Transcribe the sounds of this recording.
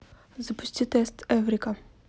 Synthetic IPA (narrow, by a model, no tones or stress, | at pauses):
zɐpʊsʲt̪ʲit̪ɛst̪ɛvɾika